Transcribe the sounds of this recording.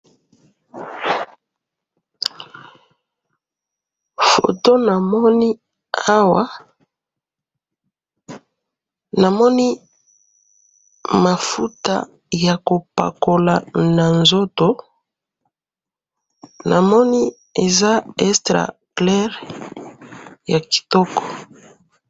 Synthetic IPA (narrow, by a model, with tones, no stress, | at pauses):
fo̰˨to˦na˨mɔ˦ni˦ | a˦wa˦ | na˨mɔ˦ni˦ | ma˨fu˦ta̰˦˨ | ja˨ko˨pa̰˨ko˨la˨na˨nzo˦to˨ | nʔa˨mɔ˦ni˦ | e˨za˦ɛ˦stʁa̰˨klɛ˦ʁ | ja˨ki̥˨tɔ˦kɔ̥˨